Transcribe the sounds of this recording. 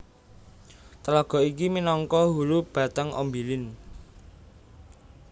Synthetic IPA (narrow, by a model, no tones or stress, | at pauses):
t̪əlaɡ̥ɔ̤ikiminɔŋkɔɦulub̥ä̤t̪əŋʔo̰mbilɪn